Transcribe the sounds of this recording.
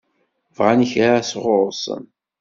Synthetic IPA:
vʁaniçɾasʁʊɾˤsˤə̰n

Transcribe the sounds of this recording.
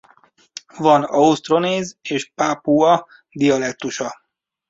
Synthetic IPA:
vɒnɒust̪ro̞neːzeːʃpapuɒ | d̪iɒlɛk̚t̪uʃɒ

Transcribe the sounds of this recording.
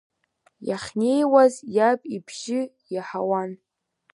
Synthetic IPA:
jaχʲne̞jwazjapʼibʒɪ | jaħawan

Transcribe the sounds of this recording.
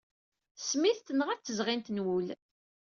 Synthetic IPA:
smiθt̪ːənəʁæt͡s̪ːəzʁint̪nwul

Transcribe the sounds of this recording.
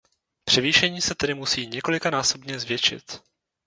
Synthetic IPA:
pr̥ɛviːʃɛɲiːsɛt̪ɛdɪmusiːɲɛko̞lɪkanaːso̞bɲɛzvjɛt͡ʃɪ̰t̪

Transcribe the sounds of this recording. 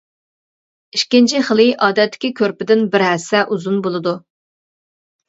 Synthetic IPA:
iʃkʲint͡ʃʰɪχəlˠɪʔɑːd̪ɛt̪ʰːɪ̥kʲʰikʲʰøɾpɪd̪ɪnbɪɾɦɛsɛʔuzunbolˠɨd̪u

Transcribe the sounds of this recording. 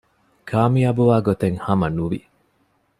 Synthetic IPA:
kʰaːmiabuʋaːɡot̪eŋhɐmɐnuʋḭ

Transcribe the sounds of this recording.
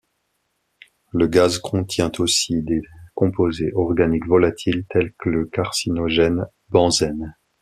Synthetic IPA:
ləɡazkʰɔ̃t̪jɛ̃t̪ʰosid̪ekɔ̃pozeʔɔʁɡanikvɔlat̪ʰilt̪ʰɛlkələkaʁsinɔʒɛn | bɑ̃zɛn

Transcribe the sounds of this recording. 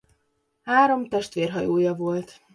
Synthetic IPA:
haːɾo̞mt̪ɛʃt̪ʋeːrɦɒjoːjɒvo̞lt̪

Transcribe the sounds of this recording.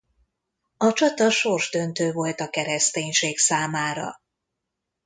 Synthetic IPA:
ɒt͡ʃɒt̪ɒʃo̞rʒd̪ønt̪øːvo̞lt̪ɒkɛɾɛst̪eːɲʃeːksaːmaːɾɒ̰

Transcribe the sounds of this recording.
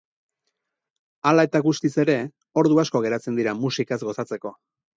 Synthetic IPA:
alae̞t̪aɣust̪ise̞ɾe̞ | o̞ɾðuaskoɣ̞e̞ɾat͡se̞nd̪iɾamusikazɡo̞sat͡se̞ko̞

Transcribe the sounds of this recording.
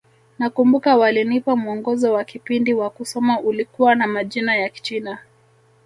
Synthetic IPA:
nakumbukawalinipamuɔŋɡɔzɔwakipindiwakusɔmaʔulikuwanamaʄinajaki̥t͡ʃina

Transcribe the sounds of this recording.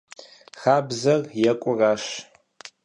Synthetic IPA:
xaːbzɐrjɛkʷʼʊraːʃ

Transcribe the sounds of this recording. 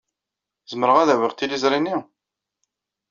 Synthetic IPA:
zəməɾəʁæðæwiʁt̪ːilizɾˤini

